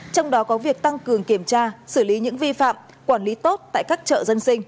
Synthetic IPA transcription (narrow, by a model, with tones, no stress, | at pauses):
t͡ɕɔ˧wŋ͡mɗɔ˨˦kɔ˨˦vi˨˩ək̚t̪a˧ŋkɨ˨˩əŋki˧˩əmt͡ɕaː˧sɨ˧˩li˨˦ɲɨ̰˧˥ŋvi˧fa̰ː˧˨m | kwaː˧˩nli˨˦t̪o˦˥t̚t̪a̰ː˧˨jkaː˦˥k̚t͡ɕə̰ː˧˨zə˧nsï˧ŋ̟